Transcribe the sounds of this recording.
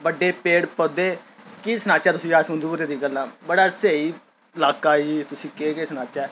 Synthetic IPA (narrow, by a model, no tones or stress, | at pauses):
bəɖeːpeːɽpəd̪eːkiːsənãːt͡ʃɛːt̪ʊsĩːaːsʊ̃nd̪uːpəɾeːd̪iːɡəlːãːbəɽaːseːiː | ɪlaːkaːiːt̪ʊsĩːkeːkeːsənaːt͡ʃɛː